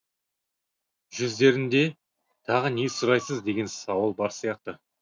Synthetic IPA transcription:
ʒʏzd̪e̞ɾɪnd̪e̞ | t̪ʰɑʁənesʊɾɑjsəzd̪e̞ɡʲe̞nsɑwəlˠbɑɾsijɑqt̪ə

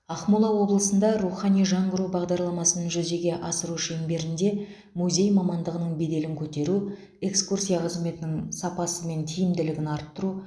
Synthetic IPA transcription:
ɑχmulˠɑwo̞blˠəsənd̪ɑɾuχɑnijʒɑɴʁəɾubɑʁd̪ɑɾlˠɑmɑsənnʒʏze̞ɡʲe̞ʔɑsəɾuʃeŋbe̞ɾɪnd̪e̞ | muzʲe̞jmɑmɑnd̪əʁənəɴbe̞d̪e̞lɪŋkʲʰɵt̪e̞ɾu | e̞kskursʲijɑqʰəzme̞t̪ɪnɪŋsɑpɑsəme̞nt̪ʰijɪmd̪ɪlɪɡʲɪnɑɾət̪ːəɾu

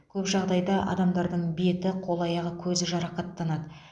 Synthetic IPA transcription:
kʲʰɵpʒɑʁd̪ɑjd̪ɑʔɑ̰d̪ɑmd̪ɑɾd̪əɴbe̞t̪ɪqʰo̞lˠɑjɑʁəkʲʰɵzɪʒɑɾɑqɑt̪ːɑnɑd̪ə

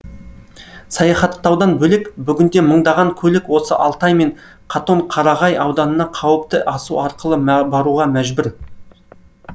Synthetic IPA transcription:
sɑjɑχɑt̪ːɑwd̪ɑnbɵlɪkbʏɡʲɪnd̪e̞məɴd̪ɑʁɑŋkʲʰɵlɪkwo̞səʔɑlˠt̪ɑjme̞ɴ | qʰɑt̪o̞ɴqʰɑɾɑʁɑjɑwd̪ɑnənɑqʰɑwəp̚t̪əʔɑsuɑɾqəlˠəbɑɾuʁɑmæʒbʏɾ

